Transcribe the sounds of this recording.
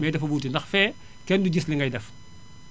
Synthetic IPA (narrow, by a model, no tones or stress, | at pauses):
mɛjdɐfɐbuːtindɐxfɛː | kɛnduɟisliŋɡɐjdɛf